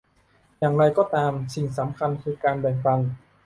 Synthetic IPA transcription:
jaː˨˩ŋɾa˧jkɔː˥˩t̪aː˧msi˨˩ŋsa˩˦mkʰa˧nkʰɯː˧kaː˧nbɛː˨˩ŋpa˧ŋ

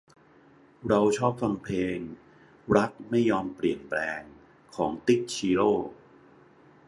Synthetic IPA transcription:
ɾa˧wt͡ɕʰɔː˥˩p̚fa˧ŋpʰeː˧ŋ | ɾa˦˥k̚ma˥˩jːɔː˧mpɾi˨˩ənplɛː˧ŋ | kʰɔː˩˦ŋt̪i˦˥˩k̚t͡ɕʰiː˧ɾoː˥˩

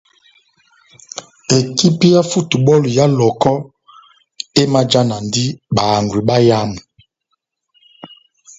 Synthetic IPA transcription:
e˨ki˦pi˦ja˦fu˦tu˨ɓɔ˦lu˨ja˦lɔ˨kɔ˦ | e˦ma˦d͡ʒa˦na˨ndi˦ɓa˨ŋɡwi˨ɓa˦ja˦mu˨

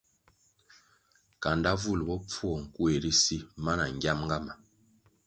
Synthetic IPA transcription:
ka˨nda˦vu˦˨lbɔ˦p͡fu˦ɔ˨ŋ̩˨ku˦e˨di˦si˦ma˦na˨ŋ˨ɡʲja˦mŋɡa˦ma˨

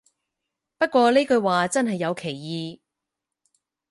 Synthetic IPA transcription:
pɐ˥t̚kʷɔː˧le˥kɵ˧ɥwaː˨t͡sɐ˥nɦɐ˨jːɐ˨˧wkʰe˨˩jːiː˨˧

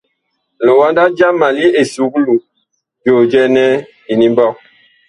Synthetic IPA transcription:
lo˨wa˦nda˦d͡ʒa˦ma˨li˦e˨su˨˦klu˨ | d͡ʒo˨d͡ʒɛ˦nɛ˦ | i˨ni˦mbɔ˦˨k̚

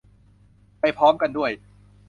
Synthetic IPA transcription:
pa˧jpʰɔː˦˥mka˧ndu˥˩əj

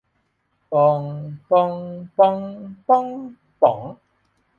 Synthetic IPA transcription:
pɔː˧ŋpɔː˧ŋpɔː˧ŋpɔ˥ŋ | pɔ˨˩ŋ

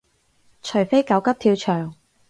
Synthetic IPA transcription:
t͡ʃʰɵ˨˩jfe˥jkɐ˨˥wkɐ˥p̚t̪ʰiː˧wt͡ʃʰœː˨˩ŋ

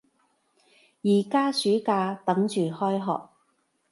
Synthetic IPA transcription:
jiː˨˩kaː˥syː˨˥kaː˧t̪ɐ˨˥ŋt͡ʃyː˨hɔː˥jɦɔ̰ː˨k̚

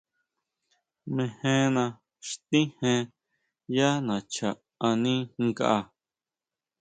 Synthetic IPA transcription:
mẽ˧hẽ˦nã˧ | ʃt̪ĩ˦hẽ˧ | ja˦nã˨t͡ʃa˨ | a˧nĩ˦˧ka̰˦ʔa˧

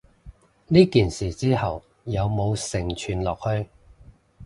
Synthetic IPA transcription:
niː˥kiː˨nsiː˨˩t͡siː˥hɐ˨w | jɐ˨˧wmo˨˧wsɪ˨˩ŋt͡ʃʰyː˨˧nlɔː˨k̚hɵ˧ɥ

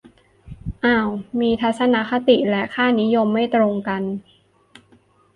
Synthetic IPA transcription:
ʔaː˧˩wmiː˧t̪ʰa˦˥t̪̚sa˧na˦˥kʰa˧˥t̪i˨˩lɛ˦˥ʔkʰaː˥˩ni˦˥jo˧mːa˥˩jt̪ɾo˧ŋka˧n

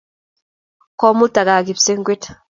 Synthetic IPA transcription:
kɔ˦mu˦ta˨ɡaː˨ɡi˨pse˦ŋɡʷi˦t

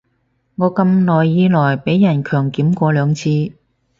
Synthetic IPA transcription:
ŋɔː˨˧kɐ˧mlɔː˨˩jːiː˧lɔː˨˩jpe˨˥jːɐ˨˩nkʰœː˨˩ŋkiː˨˥mkʷɔː˧lœː˨˧ŋt͡sʰiː˧

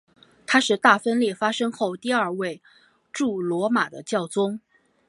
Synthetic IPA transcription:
t̪ʰa˥ʂɻ̩˥˧t̪a˥˩fə˥nljɛ˥˩fa˥ʂɤ˥ŋxo˥˧ʊt̪i˥˧ɐ˞˥˧we˥˧ɪ | ʈ͡ʂu˥˩lwɔ˧˥ma˨˩d̪ə̰˦t͡ɕjɑ˥˩ʊt͡sʊ˥ŋ

